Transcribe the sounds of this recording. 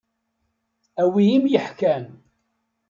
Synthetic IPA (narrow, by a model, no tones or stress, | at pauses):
æwijimjəħkæn